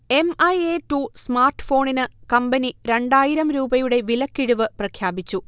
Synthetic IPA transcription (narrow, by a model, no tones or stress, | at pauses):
e̞mɐjeʈːusmaːrʈːɨ̥fo̞ːɳinɨkɐmbɐniɾe̞ɳɖaːjiɾɐmɾuːbɐjuɽe̞ʋilɐkːiɽuʋɨprɐkʰjaːbit͡ɕːu